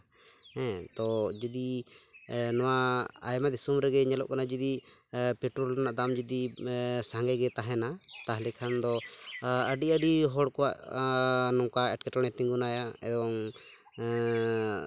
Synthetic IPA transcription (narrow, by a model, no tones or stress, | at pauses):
ɛ̃t̪ɔd͡ʒud̪i | nɔwaajmad̪isumɾɛɡɛɲɛlɔ̰ʔkanad͡ʒud̪ipɛʈɾɔlanaʔd̪amd͡ʒud̪isaŋɡɛɡɛt̪aɦɛnat̪aɦlɛkʰand̪ɔ | əɖiəɖiɦɔɽkɔwa̰ʔ | nɔŋkaɛʈ̚kɛʈɔɽ̃ɛt̪iŋɡunajaɛd̪ɔŋ